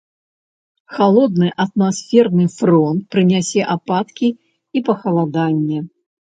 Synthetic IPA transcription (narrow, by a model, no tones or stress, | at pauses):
xalˠɔd̪nɨʔɐt̪̚masfʲɛrnɨfɾɔnt̪̚pɾɨnʲasʲɛʔapat̪kʲi | ipɐxɐlˠad̪anʲːɛ